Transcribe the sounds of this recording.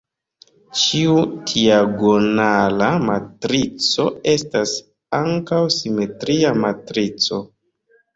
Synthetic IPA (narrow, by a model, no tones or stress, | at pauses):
t͡ʃiud̥iaɡonalamatɾit͡so̞e̞stas | aŋkawsime̞tɾiamatɾit͡so̞